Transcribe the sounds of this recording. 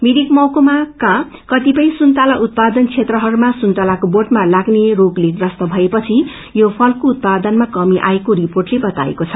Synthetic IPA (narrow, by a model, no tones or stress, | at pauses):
miɾikmʌwkomakã | kʌt̪ipʌj̃sunt̪alaʔut̪̚pad̪ʌnt͡sʰet̪rʌɦʌɾumasunt̪alakoborʈmalaɡnerokleɡrʌst̪ʌbʱʌepʌt͡sʰi | jopʰʌlkout̪̚pad̪ʌnmakʌmiʔa̰ekoɾiporʈlebʌt̪a̰ḛkot͡sʰʌ̥